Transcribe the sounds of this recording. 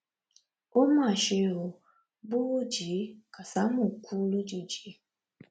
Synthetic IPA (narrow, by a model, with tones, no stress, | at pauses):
o˦ma˨ʃɪ˨ʊ˨ | bʊ˦d͡ʒi˨˦ka˨sa˨˦mʊ˨kʰʷu˦lu˦d͡ʒi˨d͡ʒi˨˦